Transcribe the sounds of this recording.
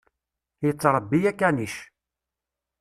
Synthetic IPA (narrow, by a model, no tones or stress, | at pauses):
jət͡sːɾˤəbːijækːæniʃ